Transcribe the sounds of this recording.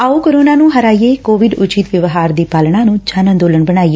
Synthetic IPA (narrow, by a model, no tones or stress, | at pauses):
aːuːkoɾoːnaːnũːɦəɾaːieːkoːʋɪɖʊt͡ʃiːt̪ʋəʋɦaːɾd̪iːpaːlɳãːnũːt͡ʃanə̃nd̪oːləɳbəɳ̃aːiːe